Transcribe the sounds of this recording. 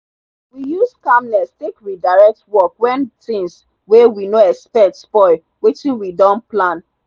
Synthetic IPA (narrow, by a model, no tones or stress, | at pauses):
wijuskamnɛstekɹidaɹɛk̚twɔkwɛ̃ntĩŋs | wewinoɛkspɛtspɔɪl | wetĩnwidɔ̃nplãn